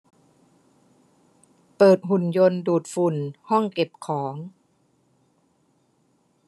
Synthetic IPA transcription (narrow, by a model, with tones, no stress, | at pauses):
pɤː˨˩t̪̚ɦu˨˩njo˧nduː˨˩t̪̚fu˨˩nhɔ˥˩ŋke˨˩p̚kʰɔː˩˦ŋ